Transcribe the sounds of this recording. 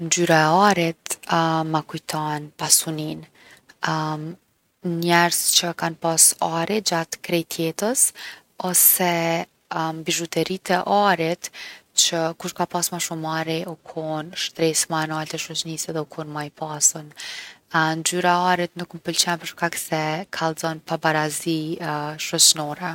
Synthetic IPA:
nd͡ʒyɾaɛaɾit̪makujt̪ʰɔnpasunin | ɲɛɾzt͡ɕəkanpasaɾid͡ʑat̪kɾɛjt̪ʰjɛt̪əs | ɔsɛ | mbiʒut̪ɛɾit̪ɛʔaɾit̪t͡ɕəkuʃkapasmaʃumaɾiukʰɔnʃt̪ɾɛsmanualt̪ɛʃɔt͡ʃnisɛðɛukʰunmajpʰasən | nd͡ʒyɾaaɾit̪nukməpəlt͡ɕɛnpəɾʃkaksɛkʰalˠzɔnpabaɾaziʃɔt͡ʃnɔɾɛ

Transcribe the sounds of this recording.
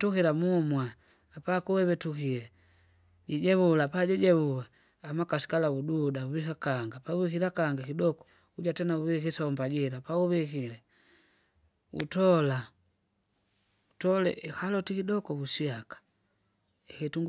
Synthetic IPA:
tukiɾamumwaː | pakuwɛβɛtukilɛ | ɟiɟɛβulapaɟiɟɛβuwɛ | amakasi̥kalaududauβikakaŋɡapauβikilakaŋɡakidɔkɔ̥ | uɟatɛnauβikisambaɟilapauβikilɛ | ṵtɔla | utɔlɛ̰ʔɛhalɔtikidɔkɔbusiakḁ | ɛkɛtuŋɡ

